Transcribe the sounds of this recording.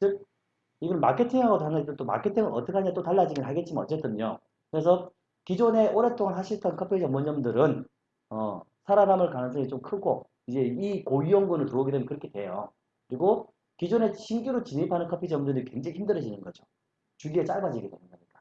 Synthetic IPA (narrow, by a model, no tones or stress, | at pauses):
t͡ɕɯk̚ | iɡʌnɯnma̰kʰe̞tʰiŋɦaɡotanad͡ʑitet͈oma̰kʰe̞tʰiŋɯnʔʌ̰t͈ʌkʰaɲiat͈otaɭːad͡ʑiɡinɦaɡe̞t̚t͡ɕ͈imʌnʌt͡ɕ͈e̞t͈ɯɲo | kɯɾe̞sʰʌ | kid͡ʑone̞ʔoɾe̞t͈oŋanhaɕʰiɭtʰʌnkʰʌpʰeʌmːoɲʌmdɯɾɯn | ʌ | sʰaɾanamɯɭkanɯnsʰʌŋit͡ɕomkʰɯɡo̰ | id͡ʑe̞ikoiʌŋɡunɯntuʌɡedwejʌnkɯɾʌkʰedwe̞jo | kɯɾiɡo | kid͡ʑone̞ɕʰimkiɾot͡ɕinipʰanɯnkʰʌpʰiʌmuɲʌndɯɾikwend͡ʑeŋiçimdɯɾɯɕʰinɯnɡʌd͡ʑo | t͡ɕuɡiet͡ɕ͈aɭbad͡ʑiɡedwenɯnɡʌɲik͈ḁ